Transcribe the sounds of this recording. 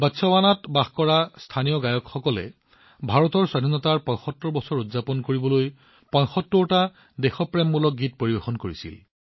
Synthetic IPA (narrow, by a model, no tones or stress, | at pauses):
batsʰɔwanatbaxkɔɹastʰanijɔɡajɔkxɔkɔlɛ̰ | bʱaɹɔtɔɹswadʱinɔtaɹpɔ̃j̃xɔtːɔbɔsɔɹudzapɔnkoɹibɔloj | pɔ̃j̃xɔtːɔɹta | dexɔpɹɛmːulɔk̚ɡit̚poɹibexɔnkoɹisḭl